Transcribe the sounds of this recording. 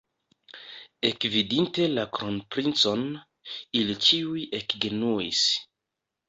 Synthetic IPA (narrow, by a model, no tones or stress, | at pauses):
ekvidinte̞lakɾonpɾint͡son | ilit͡ʃiujekɡenuis